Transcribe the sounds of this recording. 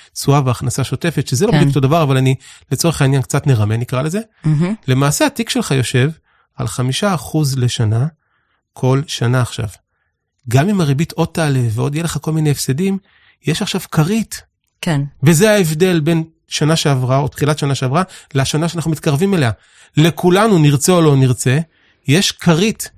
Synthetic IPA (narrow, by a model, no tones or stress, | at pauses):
t͡suaveaχnasaʃo̞te̞fetʃezeloikot̪odavaʁavalanile̞t͡so̞ʁeχainjank̚t͡satneʁame̞nikʁale̞ze̞ | le̞maːse̞atikʃe̞lχajo̞ʃe̞v | a̰lχamiʃaːχuzle̞ʃana | kʰo̞lʃanaːχʃa̰v | ɡamimaʁebitʰo̞d̚tːaːleveo̞djeleχako̞lmine̞ːfsedim | je̞ʃaχʃavkʰaʁit | kenvezeaevde̞lbe̞n | ʃanaʃe̞avʁao̞t̪χilatʃanaʃeavʁaleaʃanaʃeanaχnumitkaʁvimelea | le̞kulanuniʁt͡seolo̞niʁt͡se̞ | je̞ʃkʰaʁit